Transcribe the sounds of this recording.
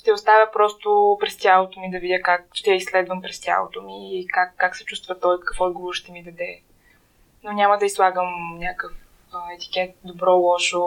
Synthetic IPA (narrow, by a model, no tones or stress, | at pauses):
ʃt̪ɛʊst̪avʲəpɾɔst̪ʊpɾɛst̪ʲjalˠot̪omid̪ɐvidʲəkak̚ʃt̪ɛjəislɛd̪vəmpɾɛst̪ʲja̰lˠo̰t̪omiːkakːaksɛ̥t͡ʃust̪vət̪ɔjkəfɔd̪̚ɡovoɾʃt̪ɛmid̪ɐd̪ɛ | nonʲaməd̪ɐislˠaɡəmnʲjakəf | ɛt̪i̥kʲɛt̪̚d̪obɾɔlˠɔʃo